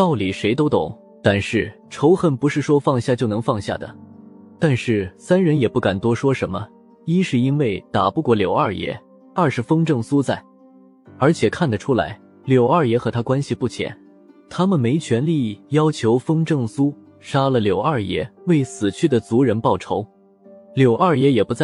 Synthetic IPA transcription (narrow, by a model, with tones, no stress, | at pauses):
t̪ɑ˥˩ʊli˨˩ʂe˧˥ɪt̪̬o˥ʊt̪ʊ˨˩˦ŋ | t̪a˥˧nʂɻ̩˥˩ʈ͡ʂʰo˧˥ʊxə˥˩npu˧˥ʂɻ̩˥˩ʂwɔ˥fɑ˥˧ŋɕja˥˩t͡ɕjo˥˩ʊnɤ˧˥ŋfɑ˥˧ŋɕja̰˥˩d̪ə̰˩ | t̪a˥˧nʂɻ̩˥˩sa˥nɻə˧˥njɛ˨˩pu˥˩ka˨˩nt̪wɔ˥ʂwɔ˥ʂə˧˥nmə˧ | i˥ʂɻ̩˥˩i˥nwe˥˩ɪt̪a˨˩pu˥˧kwɔ˥˩ljo˨˩ʊa˥˧˩jɛ̰˧˥ | ɐ˞˥˩ʂɻ̩˧˩fɤ˥ŋʈ͡ʂɤ˥˩ŋsu˥t͡sa˥˩ɪ | ə˞˧˥t͡ɕʰjɛ˨˩kʰa˥˩nd̪ə˩ʈ͡ʂʰu˥la̰˧˥ɪ | ljo˨˩ʊa˞˥˩jɛ˧˥xɤ˧˥t̪ʰa˥kwa˥nɕi˨˩pu˥˩t͡ɕʰjɛ̰˨˩˥n | t̪ʰa˥mə˨nme˧˥ɪt͡ɕʰɥɛ˧˥nli˥˩jɑ˥ʊt͡ɕʰjo˧˥ʊfɤ˥ŋʈ͡ʂɤ˥˩ŋsu˥ | ʂa˥lə˨˩ljo˨˩ʊa˞˥˩jɛ̰˧˥we˥˩ɪsɹ̩˨˩t͡ɕʰy˥˩d̪ə˩t͡su˧˥ɻə˧˥npɑ˥˩ʊʈ͡ʂʰo˧˥ʊ | ljo˨˩ʊʔa˞˥˩jɛ˧˥jɛ˨˩pu˧˥t͡sa˥˩